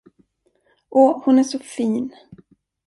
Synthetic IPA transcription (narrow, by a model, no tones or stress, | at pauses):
ʔɔhʊnæʂɔfiːn